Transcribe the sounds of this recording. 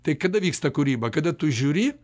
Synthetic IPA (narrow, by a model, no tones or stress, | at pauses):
t̪ɐɪkɐd̪ɐʋʲiːkst̪ɐkʊɾʲiːbɐkɐd̪ɐt̪ʊʒʲuːɾʲi